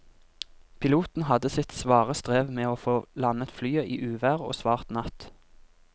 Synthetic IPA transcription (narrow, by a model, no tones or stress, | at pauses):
pʰɪluːt̪n̩hɑd̪əsɪt̪sʋɑːʁəst̪ʁeːʋmeːoːfoːlɑnət̪flyːəʔiːʔʉːʋæːʁo̰ːsʋɑːʁt̪nɑt̪